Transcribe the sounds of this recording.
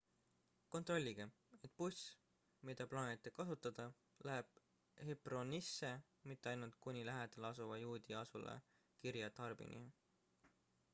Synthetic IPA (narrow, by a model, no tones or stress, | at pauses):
ko̞nt̪ro̞lʲːiɡ̥e | e̞t̪̚ːˑpus | mid̪̥ɑplɑːnʲit̪ːˑe̞kɑsut̪ːˑɑd̪̥ɑ | læɦeb̥̚ | hepro̞nisːe̞ | mit̪ːeɑjnult̪̚kunʲilæɦed̪̥elɑsuvɑjuːd̪iɑsṵlḛ | kiɾjɑt̪ɑrb̥ḭnʔḭ